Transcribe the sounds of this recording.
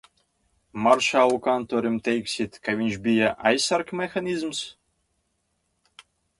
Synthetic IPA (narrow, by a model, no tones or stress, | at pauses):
maɾʃaːlˠukant̪oːɾimt̪ʲɛjksʲit̪kavʲiɲʃbʲijaʔa̰jsːaɾkmʲɛxanʲizms